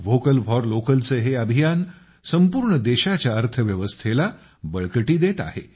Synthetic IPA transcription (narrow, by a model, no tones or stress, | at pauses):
ʋokəlʋʱɔɾlokəlt͡seɦeəbʱijan | səmpuːɾɳəd̪eɕat͡ɕjaəɾt̪ʰəʋjəʋəst̪ʰela | bəɭkəʈiːd̪et̪a̰ɦe